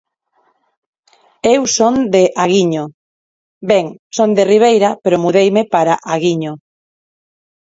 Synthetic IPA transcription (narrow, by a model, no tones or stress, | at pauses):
ewsond̪eʔaɣiɲo | beŋsond̪eriβ̞ejɾapeɾomuðejmepaɾaʔaɣiɲo